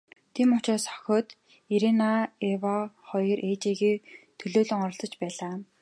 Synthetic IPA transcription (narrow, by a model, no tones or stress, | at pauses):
t̪ʰiːmʊt͡ɕɔːsɔ̥xʲɔːt̪ | iɾenaewɔχɔjrʔeːt͡ɕeɣiːt̪ʰɵɮoːɮɪ̆ŋɔɾɞ̆ɬt͡sɞ̆t͡ɕpæːɮaː